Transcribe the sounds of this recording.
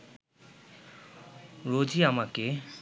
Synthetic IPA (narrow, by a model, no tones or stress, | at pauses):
ɾod͡ziamake